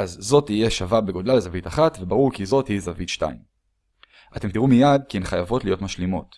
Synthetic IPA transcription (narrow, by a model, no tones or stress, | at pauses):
ʔazːo̞tije̞ʃavabe̞ɡo̞dlalezavitaχatvebaʁuʁkizo̞thizavitʃta̰im | ʔate̞mtiʁumijad̚kienχajavo̞tlijo̞tmaʃlimo̞t